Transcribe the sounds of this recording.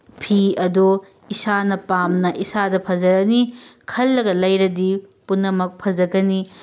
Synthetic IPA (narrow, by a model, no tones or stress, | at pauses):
pʰiɐdo | isanɐpamnɐʔisadɐpʰɐd͡ʒɐɡɐnikʰɐlːɐɡɐlɐjɾɐdipunːɐmɐk̚pʰɐd͡ʒɐɡɐni